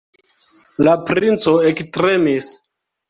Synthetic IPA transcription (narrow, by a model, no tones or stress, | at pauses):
lapɾint͡so̞ekstɾemis